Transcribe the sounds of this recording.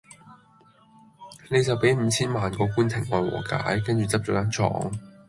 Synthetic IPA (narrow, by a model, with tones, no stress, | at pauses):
ne˨˧jt͡sɐ˨wpe˨˥jm̩˨˧t͡sʰiː˥nmaː˨nkɔː˧kuː˥nt͡sʰɪ˨˩ŋːɔː˨˧jwɔ̰ː˨˩ka̰ː˨˥jkɐ˥nt͡ʃyː˨t͡sɐ˥p̚t͡ʃɔː˨˧˥kaː˨˥nt͡ʃʰɔ̰ː˨˥ŋ